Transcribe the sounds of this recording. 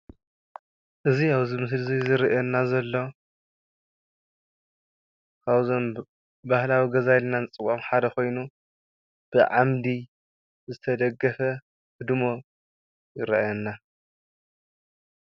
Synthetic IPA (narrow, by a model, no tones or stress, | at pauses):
ʔɨziaβzɨmɨs̬lɨzizɨɾʔɛnːazɐlːo | kʰaβzon | bahlawiɡɐzajlnanɨt͡sʼɨwʼamħad̪ɐko̞jnu | b̥ɨʕamd̪i | zɨt̪ʰɐd̪ɐɡɐfɐ | hɨd̪mo̞ | jɪɾɐʔjɛnːa